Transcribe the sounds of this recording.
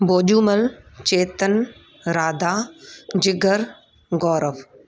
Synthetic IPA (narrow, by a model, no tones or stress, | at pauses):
boːʄuːməlt͡ɕeːt̪ən | ɾaːd̪aːd͡ʒɪɡʱəɾ | ɡɔːɾəʋ